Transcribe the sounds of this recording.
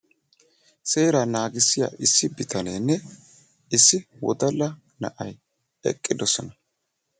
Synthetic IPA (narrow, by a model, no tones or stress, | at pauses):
se̞ːɾanaːɡɪsːɪja̰ːʔɪsːɪbɪt̪ʰɐneːnːɛ | ɪsːɪwɔ̰d̪ɐlːɐ | nɐ̰ʔɐj | ɛ̰kʼːɪd̪ɔsɔnɐ